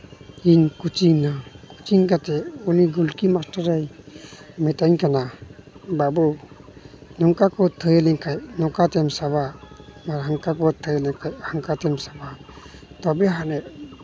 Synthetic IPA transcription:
inkut͡ʃiŋnaku̥t͡ʃiŋkat̪ɛɔniɡulkimastaɾaj | mɛtaɲkana | babɔ | nɔŋkakɔt̪ʰəjelɛŋkʰajnɔkat̪ɛmsaβamaɾaŋkakɔt̪ʰəjlɛŋkʰajhaŋkatɛmsabat̪ɔbɛɦanɛ

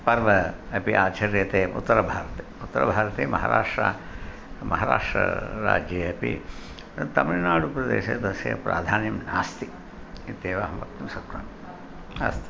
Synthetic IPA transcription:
pɐɾʋɐɐpiʔaːt͡ʃɐɾjɐt̪eːʔṵt̪ːɐɾɐbʱaːɾɐt̪eːut̪ːɐɾɐ̰bʱaːɾɐt̪eːmʔɐɦa̰ːɾa̰ːʂʈɾa̰ | mɐɦaːɾa̰ːʂʈɾɐ̰ɾa̰ːd͡ʒjɐɐpḭ | t̪ɐminaːɽupɾɐd̪ḛːʃeːd̪ɐsjḛpɾa̰ːd̪ʱaːnjɐmnaːst̪i | it̪eːʋaːɦɐmʋɐ̰t̪ːɐmsɐkɾa̰n | a̰ːst̪i̥

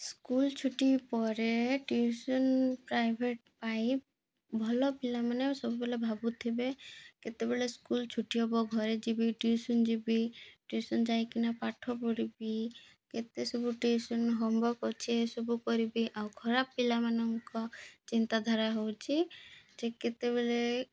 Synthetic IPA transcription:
skult͡ʃʰuʈipɔɾeʈiusɔnpɾajbʱeʈ̚pai | bʱɔlɔpilamanesɔbubelebʱabut̪ʰibeket̪ebeleskult͡ʃʰuʈiɦɔbɔɡʱɔɾed͡ʒibiʈiusɔnd͡ʒibiʈisɔnd͡ʒajkinapaʈʰɔpɔɾibi | ket̪esɔbuʈesɔnɦɔmbɔkɔt͡ʃʰesɔbukɔɾibiʔawkʰɔɾabpilamanɔŋkɔt͡ʃint̪ad̪ʱaɾaɦowt͡ʃʰid͡ʒeket̪eβele

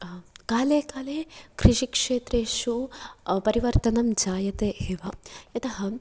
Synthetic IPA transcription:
kaːleːkaːleːkɾiʂikʂeːt̪ɾeːʂupɐɾiʋɐɾt̪ɐnɐmd͡ʒaːjɐt̪eːʔeːʋɐɐt̪ɐɦɐ

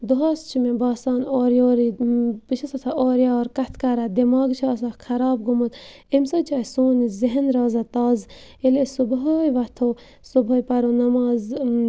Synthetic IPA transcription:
d̪uɦast͡ʃʰimẽbɑːsɑːnoːɾjoːɾibiʃʰɐsɐt̪ʰaoːɾjɑːɾkɐt̪ʰkaɾad̪imɑːɡt͡ʃʰaːs̬akʰɐɾɑːb̚ɡumut̪ | imsɐːt͡ʃʰaːsuːniziɦenɾɑːzat̪ɑːz | ilesubɦojʋɐt̪ʰoː | subojpɐɾonɐmaːz

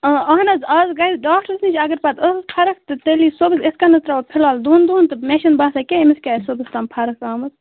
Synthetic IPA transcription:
ɐɦnɐzɐːzɡɐizɖaːk̚ʈəɾznit͡ʃʰʲɐɡɐɾpɐt̪əsspʰɐɾɐkt̪ɨt̪eliːsobɨseskɐnɐst̪ɾapʰilaːld̪uːnd̪uːnt̪ɨmʲeʃɐnbaːsakʲeimiskʲaːsobɨst̪ɐmpʰɐɾɐkaːmɐt̪

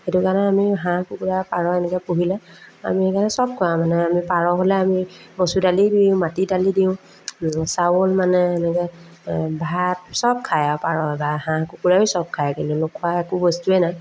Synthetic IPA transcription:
xetukanɛamiɦãkukuɹapaɹɔɛnɛkɛpuɦilɛa̰miekanɛsɔb̚kʰɔjãmanɛamipaɹɔɦolɛamimɔsutalidiʊ̃matidalidiʊ̃ | sawolmanɛɛnɛkɛ | bʱaat̚sɔb̚kʰajapaɹɔbahãkukuɹajisɔb̚kʰajakintunokʰʊaɛkubɔstuɛnaj

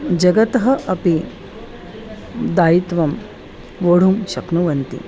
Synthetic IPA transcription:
d͡ʒɐɡɐt̪ɐɦɐʔɐpi | d̪aːjit̪ʋɐm | ʋoːɽ̤umʃɐknuʋɐnt̪ḭ

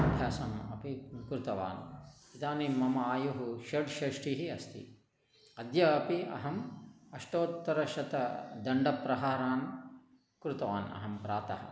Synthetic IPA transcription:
ɐb̪ʱjaːsɐmɐ̰pikɾut̪ɐʋa̰ːnid̪aːnimːɐmɐaːjuɦuʃɐɖʃɐʂʈiɦiɐst̪ʰḭ | ɐd̪jɐːpiɐ̰ɦɐmɐʂʈoːt̪ːɐɾɐʃɐt̪ɐd̪ɐɳɖɐpɾɐɦaːɾaːn | kɾut̪ɐʋa̰ːnɐ̰ɦɐmpɾaːt̪ɐɦɐ̰̆

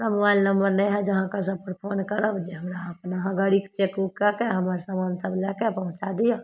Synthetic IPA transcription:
ɾamobaɪlnəmbəɾnɛɦɛd͡ʒəɦãkəɾsəb̚pəɾpʰoːnkəɾəbd͡ʒeɦəmɾaəpnaɦãɡəɽikt͡ʃekukakeɦəmaɾsəmansəblɛkepəɦʊ̃t͡ʃad̪ija

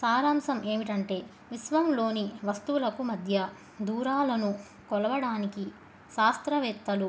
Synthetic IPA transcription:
saːɾaːmsɐmʔe̞ːmiʈɐɳʈe̞ː | ʋisʋɐmlo̞ːniʋɐst̪uwulɐkumɐd̪ʱjɐ | d̪uːɾaːlɐnu | kɔlɐʋɐɽaːniki | ʃaːst̪ɾɐʋɛːkt̪ːɐlu

